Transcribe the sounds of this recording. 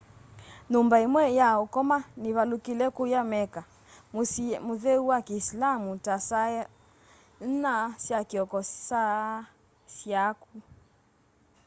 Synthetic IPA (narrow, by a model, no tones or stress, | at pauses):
numbaimwɛjaɔkɔmaniβalukilɛkujamɛka | muðɛuwakiːslamutasa | n̩nasjakiɔkɔsa | sjaku